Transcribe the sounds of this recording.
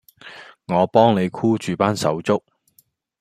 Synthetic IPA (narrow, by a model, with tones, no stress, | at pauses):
ŋɔː˨˧pɔː˥ŋne˨˧jkʰuː˥t͡ʃyː˨paː˥nsɐ̰˨˥wt͡sʊ˥k̚